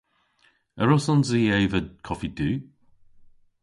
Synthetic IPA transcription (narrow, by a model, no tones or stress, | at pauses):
əɹɔsɔnziejvəd̪̚kʰɔfid̪ʉː